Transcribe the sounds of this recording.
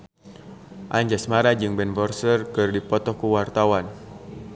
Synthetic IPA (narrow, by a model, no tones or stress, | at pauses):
ʔaɲd͡ʒasmaɾad͡ʒɨŋbɛnvɔrsərkɨrdipɔt̪ɔkuwart̪awan